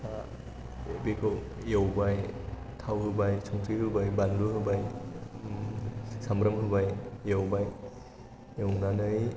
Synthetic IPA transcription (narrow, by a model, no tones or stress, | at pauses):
a | bekʰɯw | jawbaj | t̪ʰawhɯbajsʰɔŋt̪ʰiɦɯbajbanlɯhɯbaj | samɾəmhɯbajːawbaj | jawnanɯj